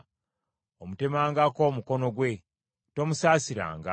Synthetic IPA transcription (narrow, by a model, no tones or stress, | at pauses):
omute̞maːŋɡako̞ːmuko̞no̞ɡwe̞ | to̞musaːsiɾa̰ːŋɡa̰